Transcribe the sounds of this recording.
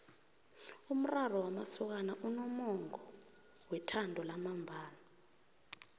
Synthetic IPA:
um̩rarɔwamasɔk̬anaʔunɔmɔŋɔ | wɛtʰandʱɔlamambʱaːna

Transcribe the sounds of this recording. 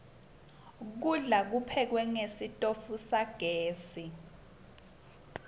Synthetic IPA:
k̬uɮak̬upʰɛk̬wɛŋesitʼofusaɡ̥ʱeːsi

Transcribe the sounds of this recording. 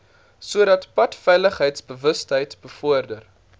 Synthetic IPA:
suədɐtpɐtfɛjləχɦəjtsbəvəstɦəjtb̥əfɔərdər

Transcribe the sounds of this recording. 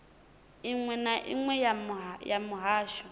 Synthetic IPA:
iŋwɛnaʔḭŋwɛjamjamʊɦaːʃɔ̥

